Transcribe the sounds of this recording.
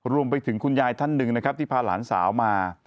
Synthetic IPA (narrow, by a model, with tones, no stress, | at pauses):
ɾu˧əmp̬a˧jt̪ʰɯ˩˦ŋkʰu˧njaː˧jt̪ʰa˥˩nːɯ˨˩ŋna˦˥kɾa˦˥p̚t̪i˥˩pʰaː˧˩la̰ː˩˦nsa̰ː˩˦wmaː˧